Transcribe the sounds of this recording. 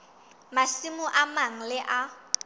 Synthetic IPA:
masimʊʔamaŋ̩lɪʔa

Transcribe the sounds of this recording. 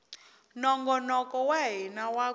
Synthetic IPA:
nɔŋɡɔnɔkʼɔwaɦinawa

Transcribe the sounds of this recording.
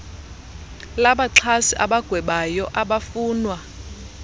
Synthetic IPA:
laɓaǁʰasiʔa̰ɓaɡ̥ʱwɛɓajɔʔaɓafuːnwa

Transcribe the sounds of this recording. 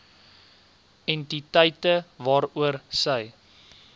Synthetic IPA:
ɛntitəjtəvɑːɾuərsəj

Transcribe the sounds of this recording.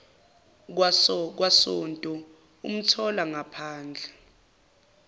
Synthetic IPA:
ask̬wasɔntʼɔ | ṵm̩tʰɔlaŋapʰaːnd͡ɮʱɛ

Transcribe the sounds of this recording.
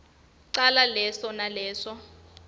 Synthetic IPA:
ǀalalɛsɔnalɛːʂɔ

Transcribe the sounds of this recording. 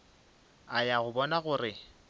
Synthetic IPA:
ajaɣʊbɔnaɣʊrɪ

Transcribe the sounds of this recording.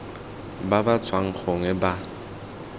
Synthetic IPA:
babat͡sʰʼwaŋ̩k͡xoŋɛba

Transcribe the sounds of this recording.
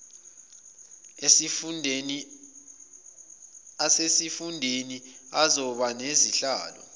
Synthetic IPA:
s | asesifundʱeniazɔɓaneziɬa̰ːlɔ̰

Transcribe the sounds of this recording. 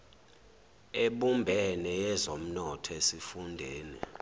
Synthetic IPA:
eɓumbʱɛnɛjɛzom̩nɔtʰɔesifundʱeːnḭ

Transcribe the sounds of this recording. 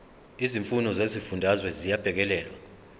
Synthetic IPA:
iziɱfunɔzezifundʱazwɛzijab̥ʱɛk̬ɛlɛːlwa

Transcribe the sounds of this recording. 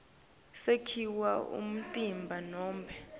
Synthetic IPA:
sekʰiwaṵm̩tʼimbʱanɔːmbʱɛ

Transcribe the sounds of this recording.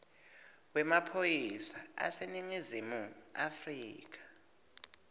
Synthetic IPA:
wɛmapʰojisaa̰seniŋizimua̰friːk̬ḁ

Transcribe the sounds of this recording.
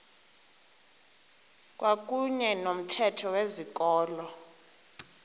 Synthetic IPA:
k̬ʼwak̬ʼuɲɛnom̩tʰɛtʰɔwezik̬ʼɔːlɔ

